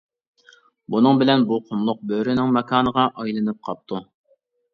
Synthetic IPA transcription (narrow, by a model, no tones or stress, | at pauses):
bunɨŋbɪlɛnbuqʰomlˠʊq̚bøɾynɪŋmɛkʰɑːnəʁɑʔɑjlˠɨnɨp̚qʰɑp̚t̪ʰu